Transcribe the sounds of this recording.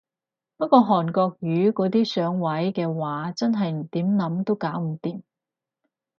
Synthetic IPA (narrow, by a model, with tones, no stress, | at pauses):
pɐ˥kɔː˧ɦɔː˨˩nkɔː˧k̚ɥyː˨˧˥kɔː˨˥t̪iː˥sœː˨˥ŋwɐ˨˥jkɛː˧waː˨˥t͡sɐ˥nɦɐ˨jm̩˨˩t̪iː˨˥mnɐ˨˥mt̪o˥wkaː˨˥wm̩˨˩t̪iː˨˧m